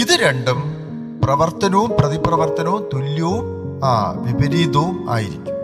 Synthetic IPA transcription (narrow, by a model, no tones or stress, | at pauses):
iðɨɾeɳɖɐm | prɐʋɐrt̪ɐnoːmprɐðiprɐʋɐrt̪ɐnɐːmt̪ulːjoːm | ʋibɐɾiːðoːma̰ːjiɾḭkʲːu̥m